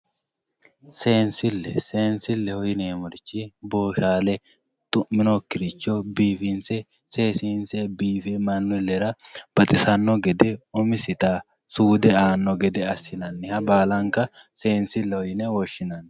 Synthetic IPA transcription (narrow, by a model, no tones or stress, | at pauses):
se̞ːnsɪlːɛse̞ːnsɪlːɛhɔjɪneːmɔɾɪt͡ʃːɪboːʃaːlɛ | t̪ʼʊmːɪnokːɪɾɪt͡ʃːɔbiːfɪnsɛ | se̞ːsinsɛbiːfɛmɐnːʊlːɛɾɐb̥ɐt̪ʼɪsɐnːɔɡɛd̪ɛɔmɪsɪt̪aː | suːd̪ɛaːnːɔɡɛd̪ɛɐsɪnɐnːɪhɐbaːlɐŋkɐ | se̞ːnsɪlːɛhɔjɪnɛwɔʃːɪnɐn